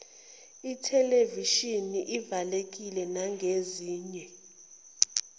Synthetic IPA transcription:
itʰɛleviʃiniʔivalek̬ʼilɛnaŋɡʱeziːɲɛ

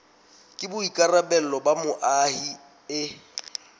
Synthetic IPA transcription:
kʼɪbʊikʼarabɛl̩lɔbamʊʔahi | ɪ

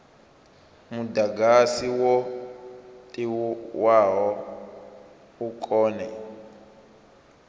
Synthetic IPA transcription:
mudaɡasiwɔ | tʼiwuwaɦɔ | ukʼɔːnɛ

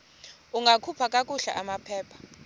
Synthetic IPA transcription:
uŋɡʱakʰupʰakʼakʼuɬa̰ʔamapʰɛːpʰḁ

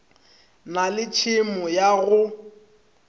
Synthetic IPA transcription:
nalɪt͡ʃʰɪmɔjaɣʊ

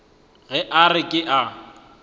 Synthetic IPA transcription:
ɣɛʔarɪkʼɪʔa

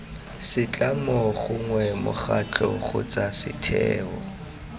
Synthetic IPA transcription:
sɪt͡ɬʼamɔχʊŋwɛmʊχat͡ɬʰʼɔχʊ̰t͡sasɪtʰɛːɔ

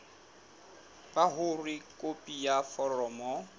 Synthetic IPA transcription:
b̥aɦʊrikʼopʼijafɔrɔːmɔ

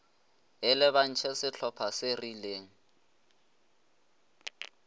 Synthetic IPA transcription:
ɪlɛβan̩t͡ʃʰɛsɪt͡ɬʰɔpʰasɪrileːŋ̩

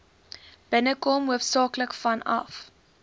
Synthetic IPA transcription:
b̥ənəkɔmɦuəfsɑːkləkfɐnɐ̰f

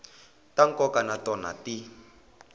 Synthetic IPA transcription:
taŋ̩kɔkanatɔna̰ti

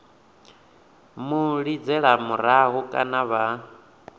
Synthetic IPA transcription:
muɺid͡zɛɺamuɾaɦukʼa̰naβa

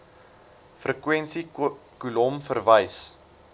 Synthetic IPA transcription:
frəkwɛnsikulɔmfərvəjs

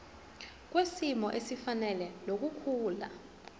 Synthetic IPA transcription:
k̬ʼwesimɔʔesifanɛlɛlok̬ʼukʰuːla

